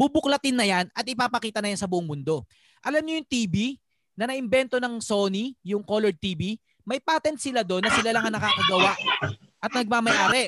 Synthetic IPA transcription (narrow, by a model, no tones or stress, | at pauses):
b̥ubʊklɐt̪ɪnːɐjanɐt̪̚ʔɪpapɐkiːt̪ɐnɐjansɐbʊʔʊŋmʊnd̪o̞ | ʔɐlamɲojʊŋt̪iːbi | nɐnɐʔɪmbɛnt̪o̞nɐŋso̞ːnijʊŋko̞lɔɹd̪̚t̪iːbi | mɐjpaːt̪ɛnt̪̚sɪlad̪o̞nːɐsɪlalɐŋɐŋnɐkaːkɐɡɐwaʔ | ʔɐt̪̚nɐɡ̚mamɐjʔaːɾɛ